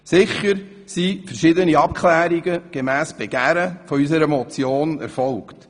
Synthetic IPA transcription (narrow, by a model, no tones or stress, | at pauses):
sɪχəɾ | sifəɾʃɪd̪əniɑp̚kχlæːɾiɡəɡ̥emæːsb̥eɡ̥æːɾəfɔysəɾəmɔt͡sjoːnɛ̰ɾfɔlkt